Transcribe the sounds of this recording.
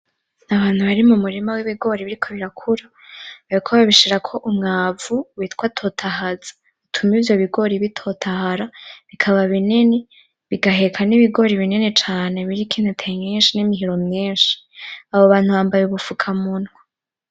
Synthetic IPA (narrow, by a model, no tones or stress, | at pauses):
naβaːn̥huβaɾimumuɾimawiβiɡo̞ːɾiβiɾikʰo̞βiɾakʰuɾa | βaɾikʰoβaβiʃiɾakʰo̞ʔumŋaːvuwitkwatʰo̞ːtʰahazḁ | βitʰumivjo̞βiɡo̞ɾiβitʰo̞tʰahaɾaβikʰaβaβinene | βiɡaɦe̞kʰaniβiɡo̞ɾiβininet͡ʃaːne̞βiɾikʰinutʰejɲiːnʃinimiɦiɾo̞mɲiːnʃi̥ | aβoβaːn̥huβaːmbajeβufukʰamunwa